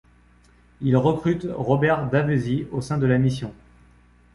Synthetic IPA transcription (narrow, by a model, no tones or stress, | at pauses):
ilʁəkχyt̪ʁɔbɛʁd̪avøziosɛ̃d̪əlamisjɔ̃